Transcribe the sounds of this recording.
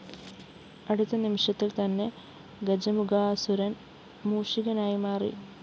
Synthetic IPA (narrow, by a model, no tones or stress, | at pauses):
ɐɽut̪ːɐnimiʂɐt̪ːilt̪ɐnːe̞ | ɡɐd͡ʑɐmuɡaːsuɾɐn | muːʂiɣɐnaːjimaːrḭ